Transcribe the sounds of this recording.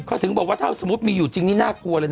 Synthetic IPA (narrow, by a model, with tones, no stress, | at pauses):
kʰɔː˥˩t̪ʰɯ˩˦ŋbɔː˨˩k̚waː˥˩t̪ʰaː˥˩sa˨˧˦mu˦˥t̪̚miː˧juː˨˩t͡ɕi˧ŋniː˦˥naː˥˩ku˧ɐləː˧n